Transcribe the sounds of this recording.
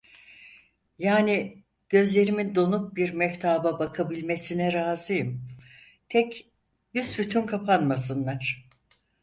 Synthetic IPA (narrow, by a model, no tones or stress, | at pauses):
jaːni | ɟ̥ø̞zlʲe̞ɾimind̪o̞nuk̚biɾmɛht̪ʰaːbabakʰabilʲme̞sinɛɾaːzɯjɯm | t̪ʰɛc | jysbyt̪ʰynkʰapʰanmasɯnlˠaɾ̥